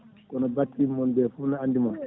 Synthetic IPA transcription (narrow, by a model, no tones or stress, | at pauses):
kɔnɔbatːimːɔnbɛfuːnaandimɔn